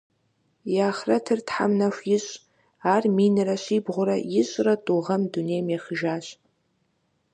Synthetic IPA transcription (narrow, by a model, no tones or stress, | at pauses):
jaːχratʰɨrtħa̰mnaʃʷjɪɕʷʼ | arminɨraʃʷibʁʷʊɾajɪɕʷʼratʼuʁɐmdunejmjaχəʒaːɕʷʼ